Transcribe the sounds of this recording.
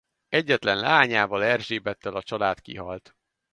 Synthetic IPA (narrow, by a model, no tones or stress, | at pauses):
ɛɟːɛt̪lɛnlaːɲaːvɒlɛrʒeːbɛt̪ːɛlɒt͡ʃɒlaːt̪kḭɦɒ̰lt̪